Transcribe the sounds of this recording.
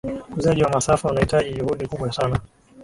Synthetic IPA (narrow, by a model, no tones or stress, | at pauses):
mkuzaʄiwamasafaunahitaʄiʄuhuɗikuɓwasana